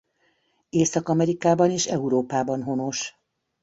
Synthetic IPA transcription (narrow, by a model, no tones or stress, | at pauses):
eːsɒkɒmɛɾikaːbɒneːʃɛuɾoːpaːbɒnɦo̞no̞ʃ